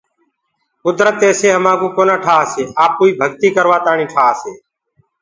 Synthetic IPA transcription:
kʊd̪ɾət̪eːseːɦəmãːkũːkoːnaːʈʰaːseːʔaːpuːiːbʱəɡt̪iːkəɾʋaːt̪aːɳĩːʈʰaːseː

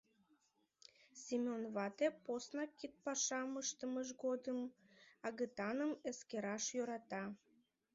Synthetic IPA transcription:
sʲimʲonβɑt̪eposnɑkːit̪̚pɑʃɑməʃt̪əməʃɡod̪əmɑɣət̪ɑnəməskeɾɑʃjøɾɑt̪ɑ

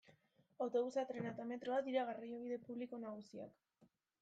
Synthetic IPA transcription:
awt̪o̞βusat̪ɾe̞nat̪ame̞t̪ɾoad̪iɾaɣ̞arioβ̞iðe̞puβliko̞naɣ̞usia̰k

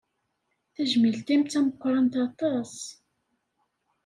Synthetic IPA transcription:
θæʒmilt̪imt̪æməkʷːɾˤɑnt̪ɑt̪ˤɑs

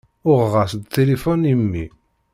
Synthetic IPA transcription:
ʊʁʁasd̪t̪ʰːelifɔnimːḭ

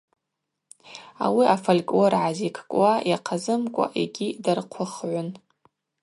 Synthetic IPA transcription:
a̰wiafalkʼwoɾʕazikʰʼkʼwajaqʰazɨmkʷʼa̰ʔḛɡʲidarqʷʰʊχʕʷʊn

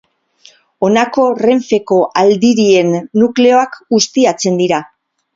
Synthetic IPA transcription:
o̞nako̞re̞ɱfe̞ko̞ʔald̪iɾie̞nːukle̞o̞akɡust̪iat͡se̞nd̪iɾa

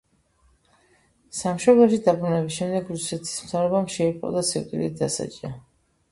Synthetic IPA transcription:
samʃɔblɛʃid̪abɾunɛbisʃɛmd̪ɛɡɾusɛt̪ʰi̥smt̪ʰavɾɔbamʃɛipʼɔ̰d̪asɛwt̪ʼḭlid̪asa̰t͡ʃʼa

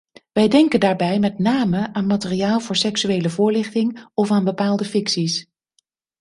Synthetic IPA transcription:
ʋɛjdɛŋkəndaːɹbɛjmɛtnaːməʔaːnmatərijaːlˠvʊːɹsɛksyejləvʊːɹlɪχtɪŋɔfaːnbəpaːlˠdəfɪksis

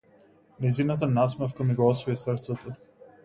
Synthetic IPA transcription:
nɛzinat̪̬anasmɛfkamiɡɔɔsvɔjisrt̪sɛt̪ɔ

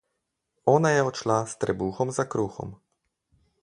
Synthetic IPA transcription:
ɔːnajɛɔt͡ʃlast̪ɾɛbuːxɔmzakɾuːxɔ̰m

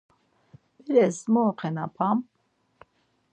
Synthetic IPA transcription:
bɛɾɛsmɔːqʰɛnapʰam

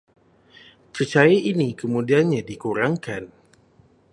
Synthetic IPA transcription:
pət͡ʃaaʔinikəmũdianɲadikuɾaŋkan

